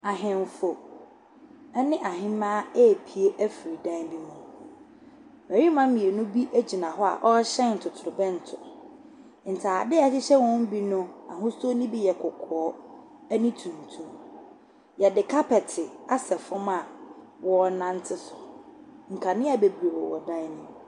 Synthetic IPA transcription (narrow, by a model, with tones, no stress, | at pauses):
a˨ɦɪ̃˨m˨fo˨˦ | nɪ̃˦ʔa˨ɦɪ̃˦mãː˦ɛ˦˨pʰi˨e˦ʔæ˦fi˨ɾi˨dã˦bi˦mũ˦ | mæ˨ɾi˦mã˦mĩ˨e˨nʊ̃˦bi˦ʔæ˦d͡ʑi˨nã˨ɦɔ˦a̰˨ʔɔ˦ɕɛ̃˦n̩˨tʰʊ˨tʰʊ˨ɾʊ˨bɛ̃˦n̩˨tʰʊ˨ | n̩˨tʰaː˨dɪ˦ɛ˦sɪ˦ɕɛ˦wɔ̃˦m̩˦bi˦nʊ̃˦a̰˨ɦʊ̃˦so˦nɪ̃˦bi˦jɛ˨kʰʊ˨kʰɔ˨ɔ˦ | ɛ˦nɪ̃˦tʰũ˨n̩˨tʰũ˨ | jɛ˨dɪ˨kʰa˦pʰɛ˨tʰɪ˨a˦sɛ˨fʊ̃˦mã˨ | wɔ˦˨nã˦n̩˦tʰɪ˦sʊ˨ŋ̩˨kʰa˨nɪ̃˦a˨be˨bɾe˨wɔ˨wɔ̰˨dã˦nɪ̃˦